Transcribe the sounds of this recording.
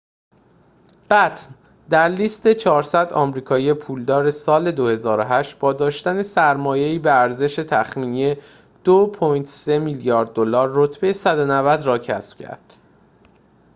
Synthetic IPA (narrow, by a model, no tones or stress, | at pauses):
b̥æt̪ʰn | d̪æɾliːst̪e̞t͡ʃʰɒːɾsæd̪ɒːmɾiːkʰɒːjije̞pʰuːld̪ɒːɾe̞sɒːle̞d̪ohe̞zɒːɾoɦæʃt̪̚bɒːd̪ɒːʃt̪æne̞sæɾmɒːje̞iːbeæɾze̞ʃe̞t̪ʰæxmiːnije | d̪̥opʰojnt̪se̞miːljɒːɾd̪̚ːolɒːɾːo̞t̪ʰbe̞jesæd̪o̞nævæd̪ɾɒːcʰæ̰sb̥cʰæ̰ɾd̪̥